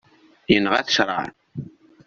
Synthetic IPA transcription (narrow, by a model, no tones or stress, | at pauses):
jənːʁæθə̥ʃɾˤɑ̰ʕ